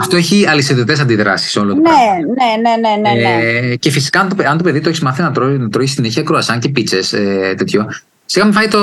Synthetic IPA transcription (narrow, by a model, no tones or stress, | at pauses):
ɐft̪o̞eçiɐliset̪it̪e̞sɐnd̪iðɾɐ̰si̥so̞lonenenenenece̞fisi̥kɐɐnt̪opeɐnt̪opeðit̪oçizmɐθinɐt̪onɐt̪ɾoçisineçiɐkɾoɐsɐɲce̞pit͡seset̪e̞t̪ço | siɣɐmefɐit̪o